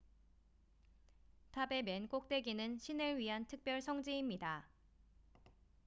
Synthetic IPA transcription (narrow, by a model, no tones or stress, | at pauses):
tʰabe̞menk͈ok̚t͈we̞ɡinɯnɕʰinɯɭɥiɦantʰɯk̚p͈jʌɭsʰʌŋd͡ʑiimɲida